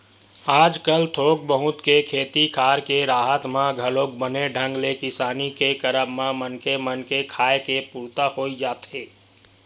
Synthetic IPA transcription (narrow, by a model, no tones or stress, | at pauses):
aːd͡ʒkəlt̪ʰoːkbəɦʊ̃t̪kekʰeːt̪ikʰaːɾkeɾaːɦət̪mãɡʱəloːk̚bəneɖʱə̃ŋɡlekɪsaːnikekəɾəbmãmənkemənkekʰaːekepuːɾt̪ahoːid͡ʒaːt̪eː